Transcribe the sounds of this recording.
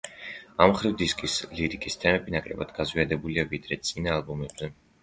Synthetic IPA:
amχɾivd̪iskʼisliɾikʼist̪ʰɛmɛbinakʼlɛ̰bad̪ɡazviad̪ɛbuliavid̪ɾɛt̪sʼinaːlˠbumɛb̥zɛ

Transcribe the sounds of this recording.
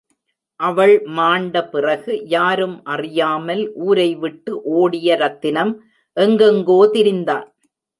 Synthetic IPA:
ʔɐʋɐɭmaːɳɖɐpɪrɐɣɯjaːɾɯmʔɐrɪjaːmɐlʔuːɾɐɪʋɪʈːɯʔoːɽɪjɐɾɐt̪ːɪnɐm | ʔɛŋɡɐŋɡoːt̪ɪɾɪnd̪a̰ːn

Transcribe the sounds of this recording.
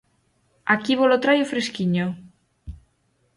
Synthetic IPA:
akiβolot̪ɾajofɾeskiɲo

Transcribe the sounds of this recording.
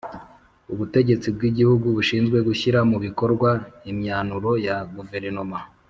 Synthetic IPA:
uβute̞ɟe̞t͡sib̚ɡiɟihuɡuβuʃiːnzɡwe̞ɡuçiɾamuβiko̞ɾɡwaimɲaːnuɾo̞jaɡuve̞ɾanoma

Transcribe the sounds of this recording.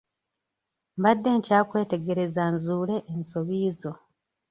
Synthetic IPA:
mbadːe̞ːɲcaːkwe̞ːte̞ɡe̞ɾe̞zanzuːle̞ʔːnso̞βiːzo̞

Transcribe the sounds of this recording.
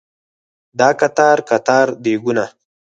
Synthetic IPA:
d̪ɑːkat̪ɑːɾkat̪ɑːɾd̪eɡuna

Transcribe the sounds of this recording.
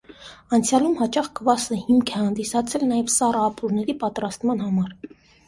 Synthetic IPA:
ɑnt͡sʰjɑlumhɑt͡ʃɑχɡəvɑsəhimkʰɛhɑnd̪isɑt͡sʰɛlnɑjɛvsɑrɑːpuɾnɛɾipɑt̪ɾɑst̪mɑnɦɑmɑɾ

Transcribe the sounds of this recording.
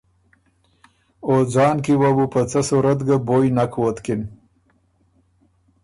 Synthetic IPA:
od͡zɑːnkiwabupət͡sasuɾat̪ɡabojnakʰwot̪kɪn

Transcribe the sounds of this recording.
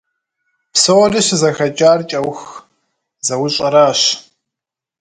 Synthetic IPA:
psɐwɔrɨɕzɐxɐt͡ʃʼaːrt͡ʃʼɐwx | zɐwʊɕʼɐɾaːɕ

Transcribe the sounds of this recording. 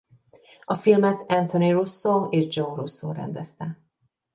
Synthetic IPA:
ɒfilmɛt̪ɛnt̪ʰonirusːoːeːʒd͡ʒorusːo̰ːɾɛ̰nd̪ɛst̪ɛ

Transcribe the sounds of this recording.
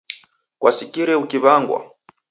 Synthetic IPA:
kwasikiɾɛukiβaŋɡwa̰

